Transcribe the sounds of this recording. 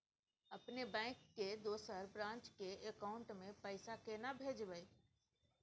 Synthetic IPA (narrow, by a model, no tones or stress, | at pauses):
ɐpnebɛ̃ːkːed̪oːsəɾbɾãːnt͡ʃkeekaʊ̃ɳʈmẽpəɪsakenabʱeːd͡ʒbəiː